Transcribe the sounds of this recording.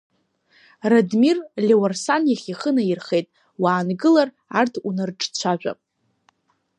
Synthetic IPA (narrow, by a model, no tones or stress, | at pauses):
radmirlʲewarsanjaχʲiχənairχe̞jtʼ | waːnɡɨlar | artʰunɨrʈ͡ʂʼt͡ɕʷʰaʒᶣʷa̰